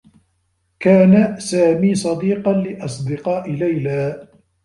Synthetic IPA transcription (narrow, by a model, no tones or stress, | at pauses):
kaːnasaːmiːsˤɑd̪iːqɑnlɪʔɑsˤd̪ɪqɑːʔɪlajlaː